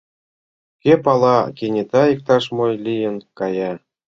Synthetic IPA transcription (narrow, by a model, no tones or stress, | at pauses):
kʲepɑlˠɑkʲenʲet̪ɑik̚t̪ɑʃmojlʲijə̆nkɑjɑ